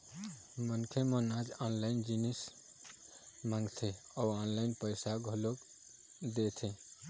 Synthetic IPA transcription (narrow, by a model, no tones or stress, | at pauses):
mənkʰemə̃nad͡ʒanlaɪnd͡ʒinis | maŋɡt̪ʰeɔanlaɪnpəɪsaɡʱolok | d̪et̪ʰe